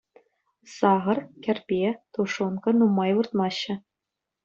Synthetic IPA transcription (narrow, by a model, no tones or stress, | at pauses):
sɑʁɤ̆rkʲɘ̆rʲpʲet̪uʂonkɤ̆numːɑjʋɯrt̪̚mɑɕːɘ̆